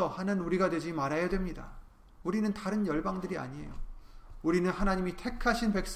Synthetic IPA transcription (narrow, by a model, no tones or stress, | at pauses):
ʌhanɯnuɾiɡadwe̞d͡ʑimaɾajadwe̞mɲida̰ | uɾinɯntaɾɯnjʌɭbaŋdɯɾia̰ɲie̞̰jo̰uɾinɯnhanaɲimitʰe̞kʰaɕʰinpe̞k̚s͈